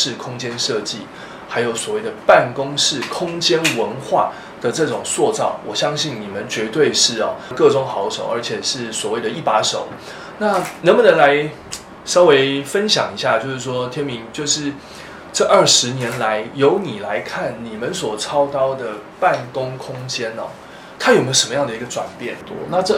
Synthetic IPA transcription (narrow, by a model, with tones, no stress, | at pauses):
ʂɻ̩˥˩kʰʊ˥ŋt͡ɕjɛ˥nʂɤ˥˧t͡ɕi˥˩ | ha˧˥ɪjo˨˧˩ʊswɔ˨˩we˥˩ɪd̪ə˩pa˥˩nkʊ˥ŋʂɻ̩˥˩kʰʊ˥ŋt͡ɕjɛ˥nwə˧˦nxwa̰˥˩ | d̪̥ə˨ʈ͡ʂɤ˥˩ʈ͡ʂʊ˨˩ŋswɔ˥˧t͡sɑ˥˩ʊwɔ˨˩ɕjɑ˥ŋɕi˥˩nni˨˩mə˨nt͡ɕɥɛ˧˥t̪we˥˧ɪʂɻ̩˥˩ɐ̰˨˩kɤ˥˧ʈ͡ʂʊ˥˩ŋxɑ˧˥ʊʂo˨˦ʊə˞˧˥t͡ɕʰjɛ˨˩ʂɻ̩˥˩swɔ˨˩we˥˩ɪd̪ə˩i˥˩pa˧˥ʂo˨˦ʊ | na˥˨nə˧˥nmə˨nə˧˦ŋla˧˦ɪ | ʂɑ˥ʊwe˧˥ɪfə˦nɕjɑ̰˨˩ŋi˧˥ɕja˥˧t͡ɕjo˥˧ʊʂɻ̩˥˩ʂwɔ˥t̪ʰjɛ˥nmi˧˥˦ŋt͡ɕjo˥˧ʊʂɻ̩˥˧ | ʈ͡ʂɤ˥˧ʔə˞˥˩ʂɻ̩˧˥njɛ˧˥nla˧˦ɪjo˧˥ʊni˨˩la˧˦ɪkʰa˥˩nni˨˩mə˦nswɔ˨˩t͡sʰɑ˥ʊt̪ɑ˥ʊd̪ə˨pa˥˩nkʊ˥ŋkʰʊ˥ŋt͡ɕjɛ˥nɔ̰˨ | t̪ʰa˥jo˨˩me˧˥ʂə˧˦mə˦jɑ˥˩ŋd̪ə˩i˧˥ɡə˧ʈ͡ʂwa̰˨˩npjɛ˥˩nna˥˧ʈ͡ʂə˥˧